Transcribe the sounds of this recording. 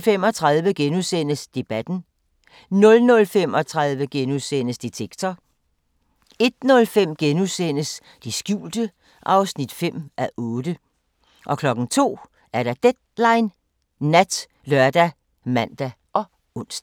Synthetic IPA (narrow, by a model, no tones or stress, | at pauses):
fem̰ɒ̽t͡sʰʁɑðˠʋəɡ̥enuðsen̰əsd̥e̝b̥æd̥n̩ | nɔ̽lnɔ̽lfem̰ɒ̽t͡sʰʁɑðˠʋəɡ̥enusen̰əsd̥it͡sʰeɡ̥t͡sʰɒ | e̝d̥nɔ̽lfem̰ɡ̥enusen̰əs | d̥isɡ̥jṵːld̥ə | ʔɑ̈ʊsnid̥fem̰ʔæʔɔ̽ːd̥ə | ʔɒ̽kʰlɒ̽ɡ̥n̩t͡sʰo̝̰ː | æɐɾ̥ɑ̈d̥ed̥̚lɑ̈ɪnː | æd̥ | lœɐd̥æ | mæn̰d̥æ | ɒ̽ | ɔ̽n̰sd̥